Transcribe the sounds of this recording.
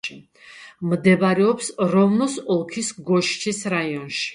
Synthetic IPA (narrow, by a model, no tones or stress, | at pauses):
md̪ɛbaɾɛɔpsɾɔvnɔsɔlˠkʰisɡɔʃt͡ʃʰisɾaiɔnʃi̥